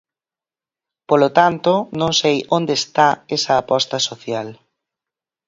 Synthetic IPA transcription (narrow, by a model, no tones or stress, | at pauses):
polot̪ant̪onõŋsejʔond̪est̪aɛsɐːpɔst̪ɐsoθjal